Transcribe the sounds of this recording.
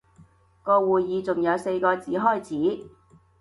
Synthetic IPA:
kɔː˧wuː˨˩jːiː˨˧t͡sʊ˨ŋjɐ˨˧wse˧jkɔː˧t͡siː˨˥ɦɔː˥˩jt͡sʰiː˨˥

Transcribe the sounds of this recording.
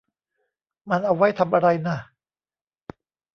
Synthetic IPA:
ma˧nʔa˧wa˦˥jt̪ʰa˧mʔa˧ɾa˧jna˥˩

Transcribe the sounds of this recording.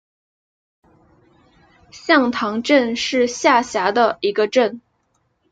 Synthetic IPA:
ɕjɑ˥˩ŋt̪ʰɑ˧˥ŋʈ͡ʂə˥˧nʂɻ̩˥˧ɕja˥˩ɕja˧˥d̪ə˧i˧˥ɡə˧ʈ͡ʂə˥˩n

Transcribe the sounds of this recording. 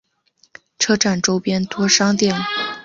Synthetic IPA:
ʈ͡ʂʰɤ˥ʈ͡ʂa˥˩nʈ͡ʂo˥ʊpjɛ˥nt̪wɔ˥ʂɑ˥ŋt̪jɛ˥˩ŋ

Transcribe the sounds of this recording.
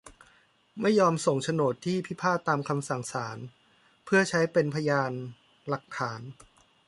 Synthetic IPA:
ma˥˩jːɔː˧mso˨˩ŋt͡ɕʰa˧noː˨˩t̪ʰːiː˥˩pʰi˦˥pʰaː˥˩t̪ːaː˧mkʰa˧msa˨˩ŋsaː˩˦n | pʰɯ˥˩ɐt͡ɕʰa˦˥jpe˧npʰa˧jaː˧n | la˨˩k̚ʰːaː˩˦n

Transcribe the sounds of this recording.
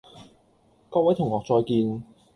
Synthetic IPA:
kɔː˧˥wɐ˨˥jt̪ʰʊ˨˩ŋhɔː˨k̚t͡sɔː˧jkiː˧n

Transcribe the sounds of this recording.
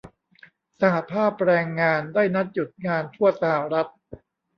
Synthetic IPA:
sa˧ha˨˩pʰaː˥˩p̚ɾɛː˧ŋːaː˧ndaː˥˩jna˦˥t̪̚ju˨˩t̪̚ŋaː˧nt̪ʰu˥˩ɐsa˧ha˨˩ɾa˦˥t̪̚

